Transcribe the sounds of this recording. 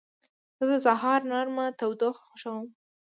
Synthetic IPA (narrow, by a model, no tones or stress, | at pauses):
z̥əd̪əsaɦɑɾnɑɾmat̪awd̪oxxoʃawəm